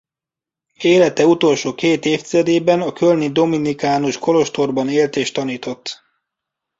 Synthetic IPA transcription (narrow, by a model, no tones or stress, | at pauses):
eːlɛt̪ɛut̪o̞lʃoːkeːt̪eːft̪izɛd̪eːbɛnɒkølnid̪o̞minikaːnuʃko̞lo̞ʃt̪o̞rbɒneːlt̪eːʃt̪ɒniːt̪o̞t̪ː